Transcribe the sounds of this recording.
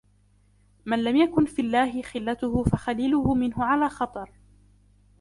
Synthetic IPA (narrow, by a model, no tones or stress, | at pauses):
manlamjakʊnfilːaːɦɪxɪlːat̪ʊhʊfaxaliːlʊhʊmɪnɦʊʕalaːxɑt̪ˤɑɾˤ